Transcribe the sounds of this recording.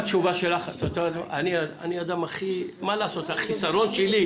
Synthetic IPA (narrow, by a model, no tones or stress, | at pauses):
t͡ʃuvaʃelaχt̪ot̪oat̪aniaa̰niad̪amaχimalaːsot̪haχisaɾo̞nʃeli